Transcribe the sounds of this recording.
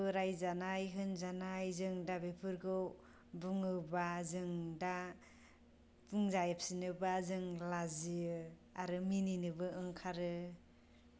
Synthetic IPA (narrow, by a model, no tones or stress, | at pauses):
ɾajzanajɦɯnzanajzɯŋdabepʰɯɾɡɯw | buŋɯbazɯŋda | pʰuŋzajap̚sinɯbazɯŋlaziaɾɯmininɯbɯɯŋkʰaɾɯ